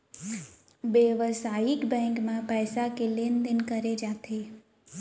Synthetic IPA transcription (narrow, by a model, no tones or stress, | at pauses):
ʋeʋəsajikbɛ̃ŋkmãpɛjsakelend̪ənkəɾed͡ʒat̪ʰe